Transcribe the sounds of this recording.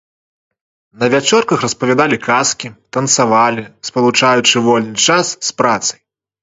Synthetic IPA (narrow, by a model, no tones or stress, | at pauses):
nɐvʲat͡ʂɔrkɐxrɐspɐvʲad̪alʲikaskʲit̪ɐnt̪savalʲispɐlˠut͡ʂajut͡ʂɨvɔlʲnɨt͡ʂasːpɾat̪sɐ̥j